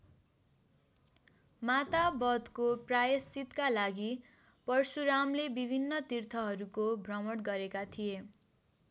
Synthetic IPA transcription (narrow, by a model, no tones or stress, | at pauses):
mat̪abʌd̪koprajʌst̪it̪kalaɡi | pʌrsuɾamlebibʱinːʌt̪irt̪ʰʌɦʌɾukobʱrʌmʌɽɡʌɾekat̪ʰije